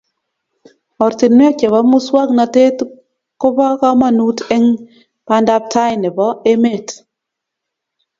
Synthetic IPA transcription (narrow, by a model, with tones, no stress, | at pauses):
ɔ˨ɾtɪ˨nm˦ɔ˦t͡ʃe˨βa˦mʊ˦swa˦kna˨te˦t | kʊ˦pa˦ka˦ma˦nu˦tɛ˦ŋ | pa˦nda˦p̚tʰa˦jnɪ˨bɔ˦e˦me˦˨t